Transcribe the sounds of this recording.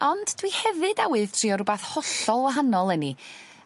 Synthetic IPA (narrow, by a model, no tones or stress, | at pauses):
ɔndd̥wihɛvɨdawɨðtʰriːɔɾʊbaθhɔɬɔlˠwɔɦanɔlˠɛni